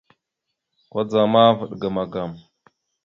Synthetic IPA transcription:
kʷa˦d͡za˨ma˦və˨ɗɡa˨ma˨ɡa˨m

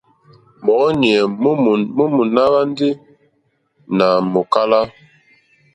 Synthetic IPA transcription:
bɔ˨˦ni˨ɛ˨m˦˨mu˦mu˨na˦ba˦n˦di˦ | na˨mo˨ka˦la˦

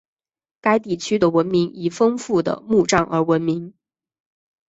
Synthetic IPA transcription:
ka˥ɪt̪̬i˥˩t͡ɕʰy˥d̪ə˨wə˧˥nmi˧˥ŋi˨˩fɤ˥ŋfu˥˩d̪ə̰˩mu˥˧˩ʈ͡ʂɑ˥˩ŋʔə̰˞˧˥wə˧˥nmi˧˥ŋ

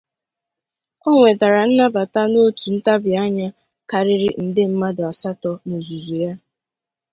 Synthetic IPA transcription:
o˦ŋʷe˨da˨ɾa˨n̩˦na˦ba˨ta˦no˦tu˨n̩˦ta˦bja˦ɲa˦ | ka˨ɾɪ˦ɾɪ˦n̩˨dɪ˦m̩˦ma˦dʊ˨a˨sa˦tɔ˨no˨zu˨zu˨ja˦

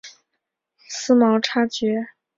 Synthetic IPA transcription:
sɹ̩˥mɑ˧˥ʊʈ͡ʂʰa˥t͡ɕɥɛ˧˥

